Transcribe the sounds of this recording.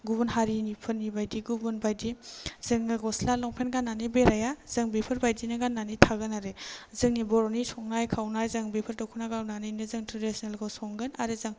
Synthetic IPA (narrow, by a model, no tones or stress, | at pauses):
ɡubunɦaɾinipʰɯɾnːibajdiɡubunbajdizɯŋnɯɡɔslalɔŋpʰenɡanːanibeɾajaz̥ɯŋbipʰɯɾbajdinaɡanːanitʰaɡɯnaɾezɯŋnibɔɾɔnisʰɔŋnajkʰawnajzɯŋbepʰɯɾtɔwkʰunaɡawnanijnɯzɯŋtɾɔdisnelɡasɔŋɡɯnaɾezɯŋ